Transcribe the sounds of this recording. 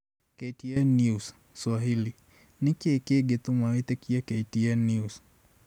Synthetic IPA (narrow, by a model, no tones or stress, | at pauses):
ketiɛnjus | swaɦili | nikeːkeɡet̪umawet̪ekiaketiɛnjus